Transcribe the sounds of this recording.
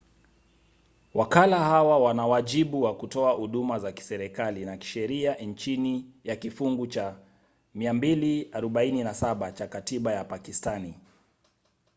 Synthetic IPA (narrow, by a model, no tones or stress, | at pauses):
wʔakalahawawanawaʄiɓuwakutɔahuɗumazaki̥sɛɾɛkalinaki̥ʃɛɾiant͡ʃinijakifuŋɡut͡ʃa | miambiliaɾɔɓaininasaɓat͡ʃakatiɓajapakistani